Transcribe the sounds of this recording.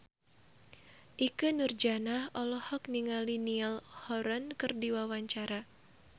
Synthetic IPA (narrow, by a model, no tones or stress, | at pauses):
ʔikɨnurd͡ʒanahʔɔlɔhɔkniŋalinialhɔɾankɨrdiwawaɲt͡ʃaɾa